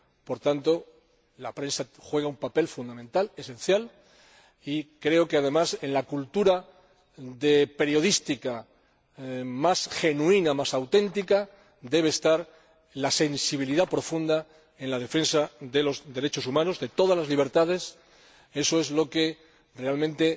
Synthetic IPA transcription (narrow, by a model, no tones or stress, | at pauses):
po̞ɾt̪ant̪o̞ | lapɾe̞nsaxwe̞ɣaumpape̞lfund̪amẽnt̪ale̞sẽ̞nθjal | ikɾe̞oke̞að̞e̞mase̞nlakult̪uɾa | ðe̞pe̞ɾjo̞ðist̪ika | masχe̞nuinamasawt̪ẽ̞nt̪ika | d̪e̞β̞eːst̪aɾ | lase̞nsiβiliðapɾo̞fund̪a | e̞nlað̞e̞fe̞nsaðe̞lo̞zðe̞ɾe̞t͡ʃo̞sumãno̞zðe̞t̪o̞ð̞azlazliβ̞e̞ɾt̪að̞e̞s | e̞so̞e̞zlo̞ke̞ | re̞almẽnt̪e̞